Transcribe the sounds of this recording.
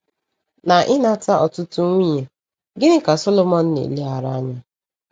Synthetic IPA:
na˨ʔɪ˦na˦ta˦ʔɔ˨tʊ˦tʊ˦ŋʷi˦ɲe˨ | ɡɪ˦ɪ˦ka˨so˦lo˦mɔ˦n̩˦nḛ˨li˦ɦa˨ɾa˦a˦ɲa˦

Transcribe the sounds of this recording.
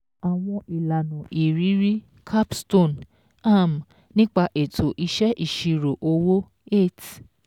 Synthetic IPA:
a˨w̃ɔ̃˧ʔi˨la˨nũ˨ʔi˨ɾi˨˦ɾi˦ | kʰa˦psto˦˨n | a˦˨m˨ | nĩ˦k͡pa˧ʔe˨tʰo˨ʔi˧ʃɛ˦ʔi˦˨ʃi˧ɾo˨ʔo˧wo˦ | e˦˨t

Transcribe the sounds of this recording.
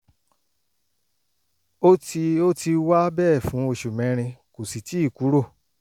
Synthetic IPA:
o˦ti˧o˦ti˧wa˦bɛ˦˨fũ˨˦o˧ʃu˨mɛ̃˨˦ɾ̃ĩ˧ko˨si˨ti˨˦i˦˨ku˨˦ɾo˦˨

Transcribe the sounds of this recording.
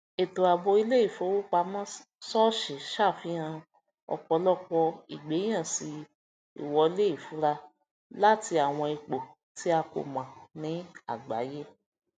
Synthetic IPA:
e˨to˨a˨bo˧i˧le˦i˦˨fo˨˦wu˦k͡pa˧mã˦ | sɔ˦ʃi˨ʃa˦˨fĩ˨˦ã˧ | ɔ̰˧k͡pɔ˧lɔ˦k͡pɔ˧ḭ˨ɡ͡be˨˦j̃ã˦˨si˧ | ḭ˨wɔ˧i˧le˦i˦˨fu˨˦ɾa˧ | la˦ti˧a˨w̃ɔ̃˧i˧k͡po˨ | ti˨˦a˧ko̰˨mã˨nĩ˨˦a˦˨ɡ͡ba̰˨˦je˦

